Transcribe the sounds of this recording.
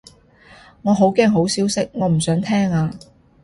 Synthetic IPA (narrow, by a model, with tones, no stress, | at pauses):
ŋɔː˨˧ɦo˨˥wkɛː˥ŋɦo˨˥wsiː˨˥wsɪ˥k̚ŋɔː˨˧m̩˨˩sœː˨˥ŋt̪ʰɛː˥ŋaː˧